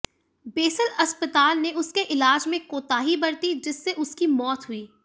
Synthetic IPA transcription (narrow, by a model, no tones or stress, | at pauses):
beːsəlɐspət̪aːlneʔʊskeʔɪlaːd͡ʒmẽkoːt̪aːɦibɐɽt̪id͡ʒɪsːeʔʊskimɔːt̪ɦʊiː